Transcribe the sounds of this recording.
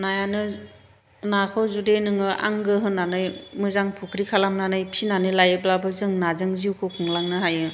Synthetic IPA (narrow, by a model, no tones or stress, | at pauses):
najanɯ | nakʰɯzudenɯŋɯʔa̰ŋɡɯɦɯnːanɯjmɯzaŋpʰukʰɾikʰalamnanɯjpʰinanɯlajɯblabɯzɯŋnazɯŋziwkʰɯkʰɯŋlaŋnɯɦajɯ